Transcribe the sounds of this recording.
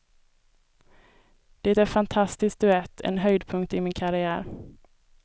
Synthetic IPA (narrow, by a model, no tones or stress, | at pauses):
d̪̥ɛːt̪æɾfant̪ʰast̪ɪsk̚d̪ɵɛt̪ʰːɛ̰nɦœjd̪pʰɵŋkt̪ɪmɪnkʰaɾɪæːɾ